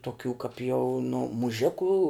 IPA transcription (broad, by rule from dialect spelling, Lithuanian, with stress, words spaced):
toːˈkʲuː kɐp jɛʊ nʊ mʊˈʒʲɪkuː